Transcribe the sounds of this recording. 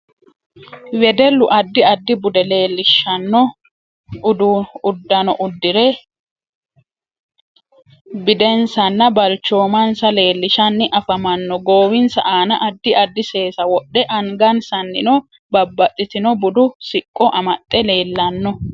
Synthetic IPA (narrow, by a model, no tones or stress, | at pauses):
wɛd̪ɛlːʊʔɐd̪ːɪɐd̪ːɪbʊd̪ɛle̞ːlːɪʃːɐnːɔ | ʊd̪uːʊd̪ːɐnɔʔʊd̪ːɪɾɛ | bɪd̪ɛnsɐnːɐbɐlt͡ʃːo̞ːmɐnsɐle̞ːlːɪʃɐnːɪʔɐfɐmɐnːɔɡo̞ːwɪnsɐ̰ʔaːnɐʔɐd̪ːɪʔɐd̪ːɪse̞ːsɐwɔɗːɛʔɐŋɡɐnsɐnːɪnɔ | bɐbːɐt̪ʼːɪt̪ɪnɔbʊd̪ʊsɪkʼːɔʔɐmɐt̪ʼːɛle̞ːlːɐnːɔ